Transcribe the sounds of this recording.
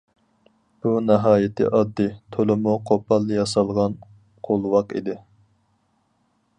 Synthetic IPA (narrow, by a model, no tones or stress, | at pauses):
b̥unɛɦɑːjɪt̪ɪ̰ʔɑd̪ːɨt̪ʰolɪmuqʰopʰɑlˠːɨjɑsɑlˠʁɑn | qʰolˠwɑqḭd̪ɪ